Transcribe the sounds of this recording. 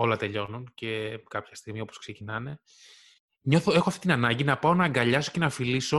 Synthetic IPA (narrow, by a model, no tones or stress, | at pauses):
o̞lɐt̪e̞ʎo̞nunce̞kɐpçɐ̥st̪iɣmio̞po̞skse̞cinɐne̞ | ɲo̞θoexo̞ɐft̪it̪inɐnɐɲɟinɐpɐonɐŋɡɐʎɐso̞̥ce̞nɐfiliso̞